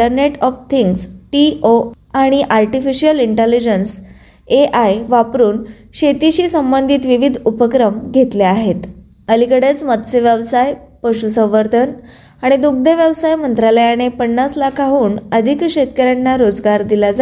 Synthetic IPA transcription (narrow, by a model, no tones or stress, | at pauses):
əɾneʈɔft̪ʰiŋɡsʈio | aɽ̃iʔaɾʈifiɕijəliɳʈelid͡ʑəns | eʔajʋapɾuːn | ɕet̪iɕiːsəmbənd̪ʱit̪ʋiʋid̪ʱupəkɾəmɡʱet̪leaɦet̪ | əlikəɽet͡smət̪seʋjaʋsajpəɕusə̃w̃ʋəɾt̪ʰən | aɽ̃id̪uɡd̪eʋjəʋsajmənt̪ɾaləjaɽ̃epəɳːaslakʰaɦuːnəd̪ʱikɕet̪kəɾjanːaɾod͡zɡaɾd̪ilad͡za